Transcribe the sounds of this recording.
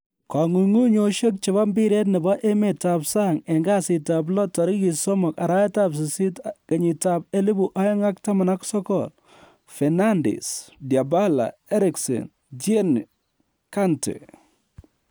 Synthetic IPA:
ka˨ŋu˨ŋu˦ɲo˨ʃo˦k̚t͡ʃɪ˨βa˦mbi˦ɾe˦t̬̚nɛ˨ba˦ʔe˦me˨ta˨psa˦˨ŋɛ˨ŋɡa˦sɪ˨ta˨b̬lɔ˦tɔ˨ɾi˦ki˨sɔ˦mɔ˨ka˨ɾa˦jɛ˦ta˦ps̬i˨si˦tkɐ˨ɲi˨ta˨b̚ɛ˦li˦bu˨ʔa˦jɔ˦ŋa˦k̚ta˦ma˨na˦ksɔ˦kɔl | fɛ˨na˦ndḭ˨sdja˨ba˦la̰˨ɛ˦ɾɪ˨ksḛ˨n | d͡ʒe˦n | ka˦ntḛ˨

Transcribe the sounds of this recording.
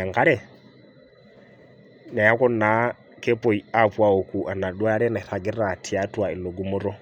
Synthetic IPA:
a˨ŋɡa˦ɾɛ˨ | na˨ja˦kɔ˦na˨˦ | kɛ˦pɔ˨i˨a˦pwa˨o˨ku˨ʔa˨na˨ɗwa˦a˦ɾɛ˦na˨i˨θa˨ɡɛ˦ra˨tʰi˨a˦twa˨i˨lo˨ɡu˦mʊ˦ɾɔ˦

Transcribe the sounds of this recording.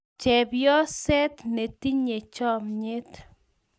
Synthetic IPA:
t͡ʃɛ˨bjɔ˦sɛ˦t̪ne˨t̪i˦ɲe˨t͡ʃɔ˦mɲɪ˦t̪

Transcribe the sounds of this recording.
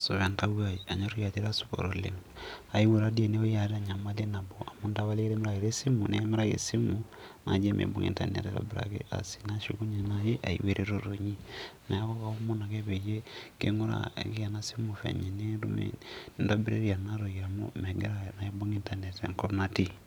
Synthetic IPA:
so˨βa˨nta˦wa˦˨ji˨a˨ɲo˦ɾo˦ja˨te˦ɾa˦su̥˨ko̰˨ɾo˨lḛ˨ŋa˨i˦we˨ɾa˦di˦e˨ne˦o˦ja˨ɾa˦˨ɲa˨ma˦le˦na˨bo˨ʔa˨mo˦nda˦βa˦le˦ɾe˦mi˦ɾa˨ɣe˨ɾe˦si˦mu˨ne˦me˦ɾa˦ɣḛ˨si˦mu˨ | na̰˨d͡ʒe˦mʔḛ˨bṵ˨ŋḭ˨nta̰˨nḛ˨tɛ˨ɾo̰˨biɾa̰˨kḛ˦ʔa̰˨si̥˨na˦ʃṵ˨ku˦ɲe˨na˦je˦ʔa˨ḭ˨we˦ɾʔe˦ɾo˦ɾo˨ɲi˦na˨˦a˦kɔ˦ka˨o˦mo˦na˨ke˦pe˨je˦kḛ˦ŋo˦ɾa̰ki˦ja˨na˦si˦mu˨fɛ̰˨ɲe˨ne˦ɾṵ˦mḛndo˦bi˦ɾḛ˦ɾia˨na˦ɾo˨ja˨mo̰˦mɛ˨ɡe˦ɾa˦na˨˦e˦bo˦ŋi˦nta˨ne˨ta˨ŋkɔ˦na˦ti˦

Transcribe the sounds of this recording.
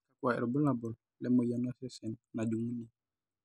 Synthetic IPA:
ka˦kwa˨ɛ̰˨ɾɔ˨bɔ˦la˨bɔ˨l | lɛ˦mo˨ja˨na˦sɛ˦sɛ˨nna˨du˨ŋu˦ni˨

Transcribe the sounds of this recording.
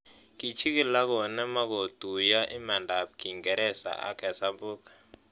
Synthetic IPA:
ki˨t͡ʃi˦kɪ˨la˦ɡɔ˨nɛ˦ma˦ɡo˨tu˨ja˦ʔɪ˦ma˨nda˨p̚ki˨ŋɡɛ˨ɾɛ˦sa̰˨ʔa̰˦kɛ˨sa˦bu˦k

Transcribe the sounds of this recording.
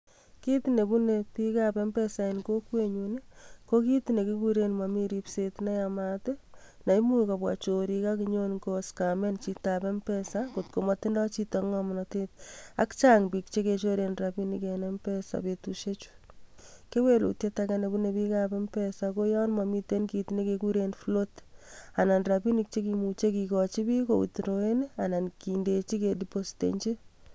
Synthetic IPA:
ki˦tne˨bu˦ne˨pi˦kape˦mpɛ˦sa˨inko˦kwe˦ɲune˦ko˦ki˦tine˨ki˦kuɾe˦nma˨mi˦ɾipsetna˦jamate | na˨imu˦kapwa̰t͡ʃo˨ɾi˧kakiɲo˦nko˦ska˨me˦nt͡ʃitapɛ˦mpɛsakotko˨mɔti˦ndɔ˦t͡ʃi˦tɔŋɔmnate˦t̚a̰˦kt͡ʃaŋbi˨k̚t͡ʃe˦ket͡ʃo˦ɾenrapi˦nikenɛmpɛsa̰petuʃe˦t͡ʃu̥ | ke˦we˦lṵ˨tje˦takane˨bunebi˦kapɛ˦mpɛsako˦jɔ˦nmami˦tenki˨tne˦kekuɾenflota˨na˨nrapi˦ni˦k̚t͡ʃe˦kimut͡ʃe˦ki˨kɔt͡ʃi˦bi˦ko˨ṵ˨tɾoenana˨nkindet͡ʃi˦kediposi̥tḛɲt͡ʃe˦

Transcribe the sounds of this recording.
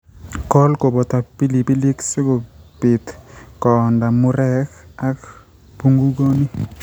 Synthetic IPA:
kɔ˦lko˨bɔ˨t̪a˨pi˦li˨pi˦li˦ksɪ˦ko˨pɪ˨t̪kɔ˨nda˨mʊ˦ɾɛ˦ka˦k | pu˦ŋɡu˦ɡo˦ni˦

